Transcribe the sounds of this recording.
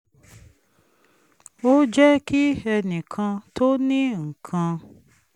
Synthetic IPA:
o˦d͡ʒɛ˦ki˦ɛ˧nĩ˨kʰã˧tʰo˦nĩ˦ŋ̩˨kʰã˧

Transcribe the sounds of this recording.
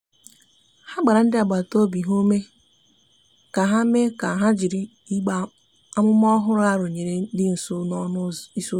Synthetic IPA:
ha˦ɡ͡ba˨ɾa˨n̩˦dɪ˦a˨ɡ͡ba˨to˦bi˨ɦo˦me˦ | ka˨ɦa˦me˦ka˨ɦa˦d͡ʒi˨ɾi˦ | i˦ɡ͡ba˨ | a˦mʊ˦m˦ɔ˦ɦʊ˦ɾʊ˦a˦ɾo˨ɲe˨ɾe˨˦dɪ˦n̩˨so˦nɔ˦nʊ˦i˦su˦

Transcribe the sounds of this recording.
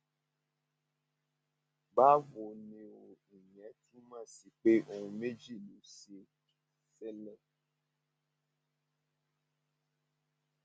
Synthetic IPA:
ba˦vo˨nẽ˨wo˨i˨ɲ˨ɛ̃˨˦tu˦mã˦˨si˨k͡pe˦õ˨me˦d͡ʒi˦˨nũ˨si˨e˨ | sɛ˦lɛ̃˦˨

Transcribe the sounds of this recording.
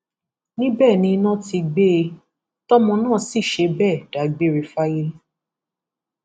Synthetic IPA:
nĩ˦bɛː˦˨nĩ˧˦nã˦ti˧ɡ͡be˦˧ | tɔ˦mɔ̃˧nãː˦˨si˦˨ʃe˧bɛ˦˨d̥a˨˦ɡ͡be˦˨ɾe˧fa˦i˧˦li˦

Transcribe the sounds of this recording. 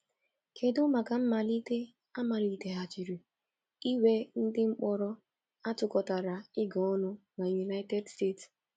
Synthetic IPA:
kʰe˨dʊ˦ma˨ka˨m̩˦ma˨li˦te˦ | a˦ma˨li˨te˦ɦa˨t͡ʃi˨ɾi˨ | i˦we˦n̩˦dɪ˦ŋ͡m̩˦k͡pɔ˦ɾɔ˦ | a˦tʊ˨kɔ˨ta˨ɾa˨ɪ˦ɡɔ˨ɔ˦nʊ˦na˨ju˨na˦ɪ˦te˦dste˦˨ts

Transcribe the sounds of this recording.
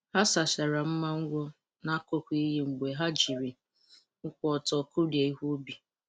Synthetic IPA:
ha˦sa˨ʃa˨ɾa˨m̩˦ma˦ŋ̩˦ɡʷɔ˦ | na˦ko˦kʷi˦ɦe˦ŋ͡m̩˨ɡ͡be˨ɦa˦d͡ʒi˨ɾi˨ | ŋ̩˦kʷɔ˨tɔ˨ku˦ɾje˨i˦ɦu˦bi˨

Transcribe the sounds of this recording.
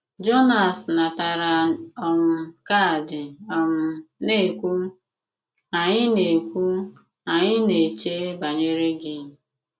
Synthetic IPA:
d͡ʒo˦na˨sna˨ta˨ɾa˨ɔ˦m̩˦ka˦˨dɪ˨ɔ˦m̩˦ne˦˨kʷu˦ | a˨ɲɪ˦ne˨kʷu˦ | a˨ɲɪ˦ne˨t͡ʃe˦ba˨ɲe˦ɾe˦ɡɪ˨

